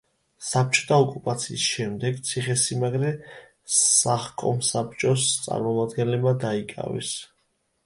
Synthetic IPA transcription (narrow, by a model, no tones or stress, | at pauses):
sap̚ʰt͡ʃʰʼɔ̥t̪ʰaɔkʼupʼat̪sʰiːsʃɛmd̪ɛɡt̪sʰiχɛsimaɡɾɛ | saχkʼɔ̰msap̚ʰt͡ʃʼɔst̪sʼa̰ɾmɔmad̪ɡɛnlɛbmad̪aikʼa̰vɛ̰s